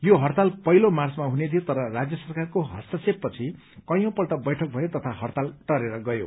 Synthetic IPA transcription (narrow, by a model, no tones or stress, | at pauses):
joɦʌrt̪alpʌɦilomart͡smaɦuned̪ʰʱijot̪ʌɾʌrad͡zjʌsʌrkarkoɦʌ̰st̪ʌseppːʌt͡sʰi | kʌjõpʌlʈʌbʌjʈʰʌk̚bʱʌjot̪ʌt̪ʰaɦʌrt̪alʈʌɾeɾʌɡʌjo̰